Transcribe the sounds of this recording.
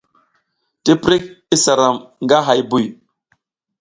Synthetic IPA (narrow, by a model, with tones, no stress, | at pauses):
ti˦pɾi˦k̚i˦sa˨ɾa˨mŋɡa˦ɦa˨jbu˦˨j